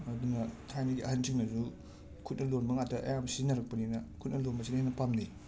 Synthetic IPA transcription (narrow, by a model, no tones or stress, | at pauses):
ɐdunɐtʰajnidiɐhɐnt͡ʃiŋnɐzu | kʰut̚nɐlonbɐŋatɐʔɐ̰jamsinɐɾɐk̚pɐninɐkʰut̚nɐlonbɐsinenɐpamni